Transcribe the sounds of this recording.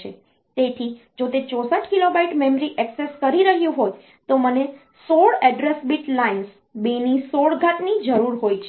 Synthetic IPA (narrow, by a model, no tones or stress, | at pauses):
e | t̪et̪ʰi | d͡ʒot̪et͡ʃɔsəʈkilobaiʈmemɾiʔɛkseskəɾiɾəɦjũɦoj | t̪oməne | soɭɛɖɾesbiʈlains | benisoɭɡʱaʈnid͡ʒəɾuɾɦojt͡ʃʰe